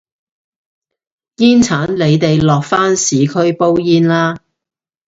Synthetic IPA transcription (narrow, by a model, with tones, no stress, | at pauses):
jiː˥nt͡sʰaː˨˥nle˨˧jt̪e˨jlɔː˨k̚faː˥nsiː˨˧kʰɵ˥ɥpo˥wjiː˥nlaː˥